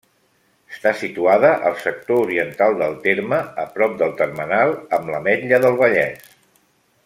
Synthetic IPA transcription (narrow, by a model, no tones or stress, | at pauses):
əst̪asit̪uaðəʔə̰lˠsək̚t̪ouɾiənt̪alˠd̪əlˠt̪eɾməəpɾɔp̚d̪əlˠt̪ərmənalˠəmləmɛʎəðəlˠβəʎɛs